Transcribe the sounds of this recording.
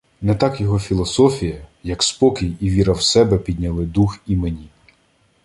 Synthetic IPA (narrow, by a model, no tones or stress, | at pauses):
nɛt̪ɑkjɔɦɔfʲilˠɔsɔfʲijɐjɐkspɔkʲɪjiʋʲiɾɐwsɛbɛpʲid̪ʲnʲɐlˠɪd̪uximenʲi